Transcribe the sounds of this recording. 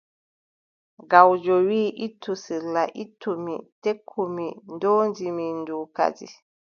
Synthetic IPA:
ɡawd͡ʒɔwiːʔitːusilːaʔitʰːumitekʰːumindoːnd͡ʒiminduːka̰d͡ʒḭ

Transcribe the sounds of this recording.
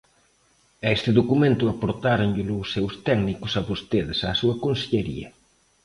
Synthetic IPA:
ɛst̪ɪðokumẽnt̪ʊapoɾt̪aɾoɲʎɪlʊːsːewst̪ɛɡnikʊsɐβost̪eðɪsaːsuɐkonseʎeɾḭɐ̰

